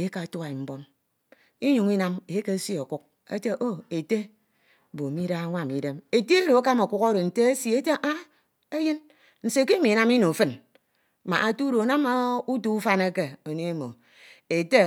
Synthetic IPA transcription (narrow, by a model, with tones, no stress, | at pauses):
e˨˦ka˨tu˦a˨i˨m̩˦bo˦m | i˦ɲu˨ŋi˦na˦me˨˦ke˦si˦o˨ku˦k̚ | ḛ˦te˦ʔo˦e˨te˦˨ | bo˨mi˦da˦a˦ŋʷa˦˨mi˨de˦me˨te˦e˦ɾo˨a˦ka˦mo˨kʷu˦ko˦ɾo˨n̩˨te˦e˦si˨e˦te˦ʔa˦ | e˦jɨ˦n | n̩˨se˨ke˦mi˨na˦mi˦no˨fɨ˦n | ma̰˨ʔa˨tu˦ɾo˨na˦ma˨u˦tu˦u˦fa˦ne˦ke˨o˨ne˦e˦mo˨ | e˨te˦